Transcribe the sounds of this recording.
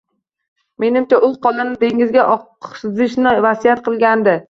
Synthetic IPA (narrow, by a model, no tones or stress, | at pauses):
me̞nɪmt͡ʃaʔʊlˠqʰɒlˠanɪd̪e̞ŋɪzɡʲaʔɒqsɪzɪʃnɪvasijat̪qʰɨlˠɡʲand̪ɪ